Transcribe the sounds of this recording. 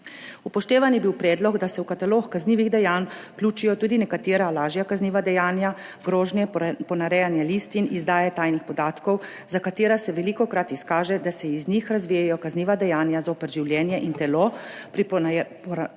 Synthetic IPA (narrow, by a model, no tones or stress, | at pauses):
upɔʃt̪eːʋanjɛbiwpɾɛːd̪lɔɡd̪asɛwkat̪aloːxkazniːʋiɣd̪ɛjaːnklʲuːt͡ʃijɔt̪uːd̪inɛkat̪eːɾalaːʒjakazniːʋad̪ɛjaːnjaɡɾoːʒnjɛpɔnaɾɛjanjɛlist̪inizd̪aːjɛt̪ajnixpɔd̪aːt̪kɔw | zakat̪eːɾasɛʋɛliːkɔkɾat̪iskaːʒɛd̪asɛiznixɾazʋijajɔkazniːʋad̪ɛjaːnjazaupɛɾʒiwljɛːnjɛʔint̪ɛlopɾipp